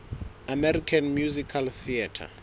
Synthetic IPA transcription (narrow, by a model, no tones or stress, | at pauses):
amɛɾikʰanmjuzikʰalθiatʰa̰